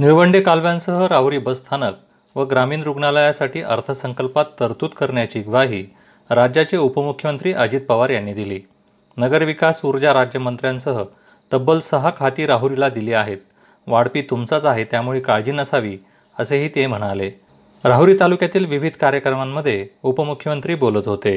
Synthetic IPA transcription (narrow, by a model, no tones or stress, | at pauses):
niɭʋəɳɖekalʋjãnsəɦəɾaɦuɾiːbəst̪ʰanək̚ | ʋəɡɾamiːnɾuɡɳaləjasaʈʰiːʔəɾt̪ʰəsəŋkəlpat̪ːəɾt̪uːt̪kəɾɳjat͡ɕiːɡʋaɦiː | ɾad͡ʑjat͡ɕeupəmukʰjəmənt̪ɾiːʔəd͡ʑiːt̪̚pəʋaɾjaɳːiːd̪iliː | nəɡəɾʋikasuɾd͡ʑaɾad͡ʑjəmənt̪ɾjãnsəɦə | t̪əbəlsəɦakʰat̪iːɾaɦuɾilad̪iliːaɦet̪̚ | ʋaɽpiːt̪umt͡sat͡saɦet̪jamuɭekaɭd͡ʑiːnəsaʋiː | əseɦiːt̪em̤əɽ̃ale | ɾaɦuɾiːt̪alukjat̪iːlʋiʋid̪ʱkaɾjəkɾəmamːəd̪ʱːjeupəmukʰjəmənt̪ɾiːbolət̪ɦot̪e